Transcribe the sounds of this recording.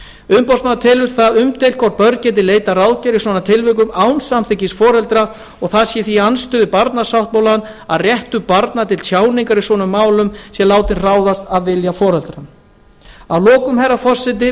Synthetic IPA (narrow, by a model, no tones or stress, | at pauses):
ʏðpɔwsmant̪ʰɪlʏɾ̥θaðʏmt̪ejlkʰɔɾt̪̚pœɾcɛːt̪̬ɪleːjt̪araːwðcɛɾisvɔnat̪ʰɪlvʏk̬ʏmawnsamθɪcisfɔːɾɛlt̪ɾa | ɔɣθaðsjɛθianst̪ʏvɪðpaɾt̪nasawht̪̚mawlanaðrjɛht̪ʏpaɾt̪nat̪ʰɪlsʰjaːwniŋkaɾisvɔːnʏmːaːwlʏmsjɛlaːwt̪ɪnraːwðast̪aðvɪljafɔːɾɛlt̪ɾan | awlɔːkʏmɦɛrːafɔr̥sɪt̪̬ɪ